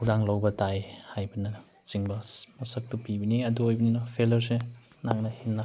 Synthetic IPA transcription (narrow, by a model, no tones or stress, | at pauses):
udaŋlawbɐtajhajbɐnɐ | t͡ʃiŋbɐmɐsɐk̚tupibɐniɐduojbɐninɐpʰelɐɾs̬e | naŋnɐhinːa